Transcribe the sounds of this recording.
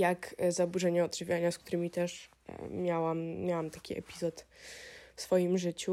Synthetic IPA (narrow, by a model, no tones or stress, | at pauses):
jakzabuʐɛɲɛɔdʐɘvʲjaɲaskt̪uɾɘmʲit̪ɛʂ | mʲjawamʲjawamt̪ḁkʲiʔɛ̰pʲizɔt̪ | fsfɔjimʐɘt͡ɕu